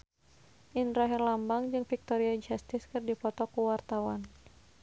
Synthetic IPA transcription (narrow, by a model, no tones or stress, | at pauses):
ʔinɾaɦɛrlambaŋd͡ʒɨŋfik̚t̪ɔɾiad͡ʒɛst̪ɪskɨrdipɔt̪ɔkuwart̪awan